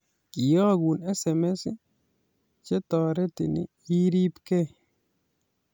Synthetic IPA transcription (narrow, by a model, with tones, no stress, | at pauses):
kɪ˨jɔ˦ɡu˨nɛ˦sɛ˨mɛ˦s | t͡ʃe˦t̪ɔ˨ɾɛ˦t̪ɪ̰˨nɪ̰˨ | i˦ɾi˦pkɛ˦